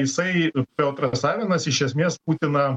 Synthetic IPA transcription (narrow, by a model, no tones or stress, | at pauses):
jɪsɐɪpʲɛlˠt̪ɾɐsɑːʋʲɛnɐsɪʃʲɛsʲmʲeɛsp̚uːt̪ʲɪnɐ